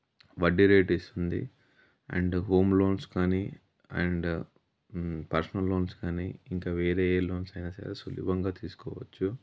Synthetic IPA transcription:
ʋɐɖiɾeːʈest̪und̪ḭ | ɐ̰ɳɖɦo̞ːmlo̞ːnskaːni | ɐ̰ɳɖ | pɐɾsɐnɐlːoːnskaːniːiŋkaːʋeːɾeːloːnsɐjnɐsa̰ːɾesulṵːbɐŋɡaːt̪iːsu̥kɔ̰ːʋɐt͡ʃːu

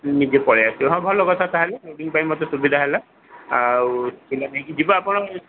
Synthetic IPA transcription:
nizepɔɹɛasiɦɔ̃bʱɔlɔkɔt̪ʰat̪ʰaɦɛlɛodiŋpajmɔt̪ɔsubid̪ʱaɦɛla | akilanaɦikid͡ʒibaapɔna

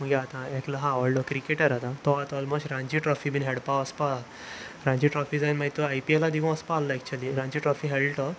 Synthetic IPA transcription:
məɡɛat̪ãekləɦãɔlɖɔkɾikeʈəɾat̪ãt̪ɔat̪ɔlmosʈɾãɲd͡ʑiʈɾɔfibiːnɦɛɽpaəspa | ɾãɲd͡ʑiʈɾɔfid͡zajnmait̪ːəajpielad̪ikʰɔ̃əspaːlːəɛk̚t͡ɕuəliɾãɲd͡ʑiʈɾɔfiɦɛɭʈɔ

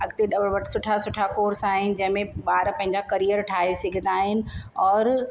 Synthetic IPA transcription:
ɐɡt̪eɖɐbɽʋəʈsʊʈʰasʊʈʰakoːɾsaːɦɪnɪ̆d͡ʑɐ̃ɦɪ̃mẽɓaːɾpɐ̃ɦɪɲd͡ʑakɐɾijəɾʈʰaːɦesɪɡʱə̃nd̪aːɦɪnɪ̆ɔːɾ

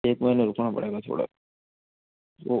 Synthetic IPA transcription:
eːkməɦineɾʊkʰnapɐ̰ɽeːɡat̪ʰo̰ːɽa̰ | o

